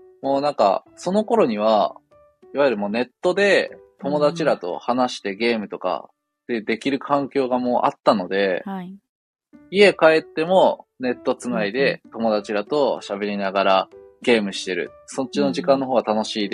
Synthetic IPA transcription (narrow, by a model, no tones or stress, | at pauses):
mo̞ːnãŋka̰so̞no̞ko̞ɾo̞ɲ̟iβ̞a | iβajɯ̟ɾɯ̟moːne̞t̪ːo̞d̪e̞t̪o̞mo̞d̪at͡ɕiɾat̪o̞̰hanaɕi̥t̪e̞ɡʲe̞ːmɯ̟t̪o̞ka̰ | t̪ːe̞jɯ̟ːd̪e̞kʲiɾɯ̟kʰãŋkʲo̞ːɡamo̞ːʔa̰t̪ːano̞d̪e̞ | ie̞kae̞t̪ːe̞mo̞ne̞t̪ːo̞t͡sɨnaid̪e̞t̪o̞mo̞d̪at͡ɕiɾat̪o̞ɕabe̞ɾʲinaɡaɾaɡe̞ːmɯ̟ɕi̥t̪e̞ɾɯ̟̰so̞t͡ɕːino̞ʑikãnːo̞ɦoːɡat̪ano̞ɕiːd̪e